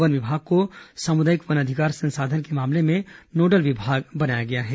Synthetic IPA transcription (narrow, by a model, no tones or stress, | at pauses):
ʋənʋɪbʱaːɡ̚kosaːmʊd̪aːjɪkʋənɐd̪ʱɪkaːɾsə̃nsaːd̪ʱənkemaːmlemẽnoːɖəlʋɪbʱaːɡbɐnaːjaɡɐjaɦɛː